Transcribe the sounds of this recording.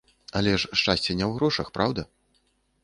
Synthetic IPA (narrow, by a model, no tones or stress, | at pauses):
ɐlʲɛʂʂt͡ʂasʲt͡sʲɛnʲɛwɣɾɔʂɐxpɾʔawd̪ɐ